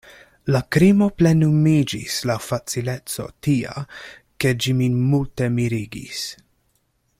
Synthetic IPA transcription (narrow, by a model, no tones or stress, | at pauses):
lakɾimo̞ple̞numid͡ʒislafat͡sile̞t͡so̞̰tia̰ | ke̞d͡ʒiminmulte̞miɾiɡḭs